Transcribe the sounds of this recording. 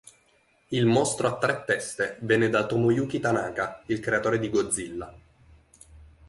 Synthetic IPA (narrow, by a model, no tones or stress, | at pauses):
ilmɔst̪ɾoat̪ːɾɛt̪ːɛst̪evɛːnːed̪at̪omojuːk̟it̪anaːkailkɾeat̪oːɾed̪iɡod̪zːilːa